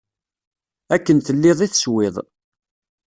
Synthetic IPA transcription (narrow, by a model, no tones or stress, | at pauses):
ækːənθəlːɪðˤiθə̥swɪðˤ